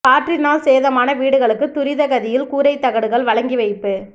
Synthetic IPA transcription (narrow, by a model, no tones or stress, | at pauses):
kaːʈrɪnaːlseːðɐmaːnɐʋiːɽɯɣɐɭɯkːɯt̪ːʊɾɪðɐɣɐðɪjɪlkuːɾɐɪt̪ːɐɣɐɽɯɣɐɭʋɐɭɐŋɡiʋɐɪpːɯ